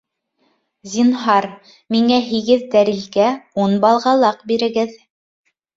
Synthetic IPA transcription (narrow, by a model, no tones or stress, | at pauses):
zʲinɦɑɾ | miŋæɦiɡɘðd̪æɾilɡæunbɑlˠʁɑlˠɑqbiɾɘ̆ɡɘð